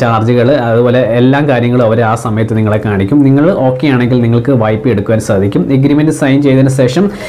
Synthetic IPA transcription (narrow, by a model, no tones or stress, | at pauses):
t͡ɕaːrt͡ɕɐɣɐɭɐðubo̞ːle̞ːlːaːmkaːɾjɐŋːɐɭumɐʋɐɾeaːsɐmɐjɐt̪ːɨniŋːɐɭekːaːɳikʲːumniŋːɐɭo̞ːkːejaːɳe̞ŋɡilniŋːɐɭkɨʋɐjpːɨe̞ɽukːuʋaːnsaːd̪ʱikʲːumeɡɾiːmendɨsɐjnt͡ɕe̞jt̪inːɨɕe̞ːʂɐm